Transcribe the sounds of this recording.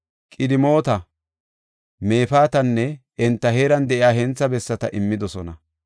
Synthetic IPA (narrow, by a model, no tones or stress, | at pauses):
kʼɪd̪ɪmo̞ːt̪ɐ | me̞ːfaːt̪ɐnːɛ | ɛnt̪ːɐhe̞ːɾɐnd̪ɛʔɪjaːɦɛnt͡sːɐbɛsːɐt̪ɐʔɪmːɪd̪ɔsɔnɐ